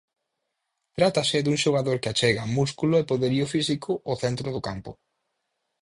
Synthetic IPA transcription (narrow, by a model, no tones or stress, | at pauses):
t̪ɾat̪asɪd̪uŋʃoɣ̞aðoɾkɪat͡ʃɛɣamuskulʊepoðeɾiʊfisikʊʔʊθɛnt̪ɾʊðʊkampʊ̰